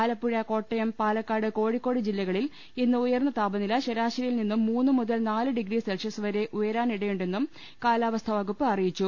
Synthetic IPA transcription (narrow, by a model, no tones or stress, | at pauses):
aːlɐpːuɻɐko̞ːʈːɐjɐmpaːlɐkːaːɽɨko̞ːɻikːo̞ːɽid͡ʑilːɐɣɐɭil | inːɨujɐrnːɐt̪aːbɐnilɐɕɐɾaːɕrɐjilninːumːuːnːɨmuðɐlnaːlɨɖiɡɾiselʂɐsɨʋɐɾe̞ʔujɐɾaːniɽɐjuɳɖe̞nːum | kaːlaːʋɐst̪ʰɐʋɐɣupːɨɐrijit͡ɕːu